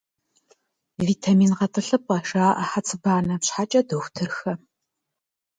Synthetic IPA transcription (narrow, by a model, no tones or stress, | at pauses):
viːtʰamiːnqɐtʰɨɬɨp̚ʼɐʂaːʔɐħat͡sʰɨbaːnɐpɕħat͡ʃʼɐdoxʷtʰɨrxɐ